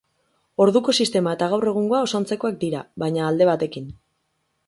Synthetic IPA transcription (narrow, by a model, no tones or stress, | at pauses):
o̞ɾðuko̞sist̪e̞mae̞t̪aɣ̞awre̞ɣ̞uŋɡo̞ao̞sant͡se̞ko̞ak̚d̪iɾaβajɲaːld̪e̞β̞at̪e̞kin